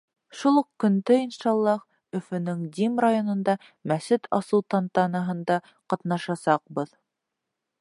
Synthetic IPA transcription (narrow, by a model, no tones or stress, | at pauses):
ʃulˠɤqkɵ̆nd̪ɘinʃɑlˠːɑh | ɵ̆fɵ̆nɵŋd̪ʲimrajonŏnd̪ɑ | mæsɘt̪ʰɑsɤwt̪ɑnt̪ɑnɑɦɤ̆nd̪ɑ | qɑt̪nɑʃɑsɑq̚bɤð